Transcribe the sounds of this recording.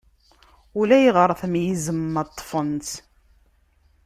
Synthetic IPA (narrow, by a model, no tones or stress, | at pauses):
ulæjʁəɾˤθmjizəmːɑt̪ˤːfənt̪